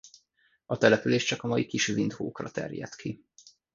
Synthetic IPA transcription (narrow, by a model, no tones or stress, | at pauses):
ɒt̪ɛlɛpyleːʃt͡ʃɒkɒmɒjikiʃvind̪hoːkrɒt̪ɛ̰rjɛ̰t̪kʰi